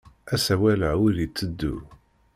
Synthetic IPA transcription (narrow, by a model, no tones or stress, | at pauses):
æsæwæləʕwilit͡sːəd̪ːu